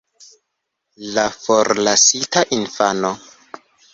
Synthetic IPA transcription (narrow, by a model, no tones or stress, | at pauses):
lafoɾlasitaʔinfano